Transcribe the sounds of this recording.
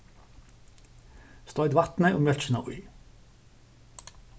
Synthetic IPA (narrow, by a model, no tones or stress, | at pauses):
st̪ɔʏd̪ʋɑt̪nəʔoːmjœlt͡ʃənɑ̰ːʔʊ̰ʏ